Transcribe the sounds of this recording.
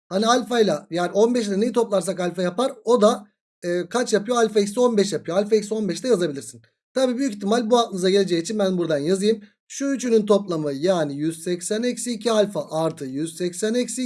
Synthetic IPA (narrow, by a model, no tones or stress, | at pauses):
hanialʲfajlˠajaːnio̞nbɛʃ̬lʲɛne̞jit̪ʰo̞plˠaɾsakalʲfajapaɾo̞d̪a | ɯːkʰat͡ʃjapɯjo̞alʲfaicʲsio̞nbɛʃjapɯjo̞alʲfaicso̞nbɛʃlʲɛjazabilʲiɾsin | t̪ʰabiːbyjyki̥t̪ʰːimalʲbualˠɯnɯzaɟe̞lʲe̞d͡ʒɛjit͡ʃʰinbænbuɾd̪anjazɯjɯm | ʃuyt͡ʃʰynynt̪ʰo̞plˠamɯjaːnijyz̥sɛcsænecsiːcʰialʲfaʔaɾt̪ʰɯjyz̥sɛcsænɛcsi